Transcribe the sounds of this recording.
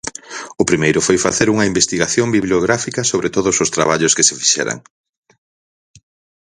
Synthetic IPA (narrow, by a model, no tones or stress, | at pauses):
ʊpɾimejɾʊfojfa̰θeɾuŋɐimbest̪iɣaθjombiβljoɣɾafikɐsoβɾet̪oðʊsʊst̪ɾa̰βaʎʊskɪsɪfi̥ʃɛ̰ɾa̰ŋ